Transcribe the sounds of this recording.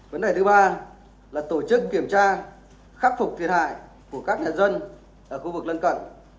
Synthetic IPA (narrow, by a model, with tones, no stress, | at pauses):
və˨˦nɗe˨˩jt̪ɨ˨˦ɓaː˧ | laː˨˩t̪o˧˩t͡ɕɨ˦˥kːi˧˩əmt͡ɕaː˧ | xaː˦˥p̚fʊ˨˩k͡p̚t̪ʰi˨˩ət̚ɦa̰ː˧˨j | ku˧˩əkaː˦˥k̚ɲa̰ː˧˨zə˧n | ʔəː˧˩xu˧vɨ˨˩k̚lə˧nkə̰˧˨n